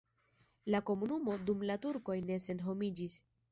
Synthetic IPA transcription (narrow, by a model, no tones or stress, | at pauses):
lako̞munumo̞dumlatuɾko̞jne̞se̞nɦo̞mid͡ʒis